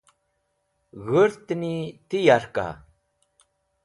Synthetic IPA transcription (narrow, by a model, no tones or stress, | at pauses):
ɣəɾt̪nit̪ijaɾka̰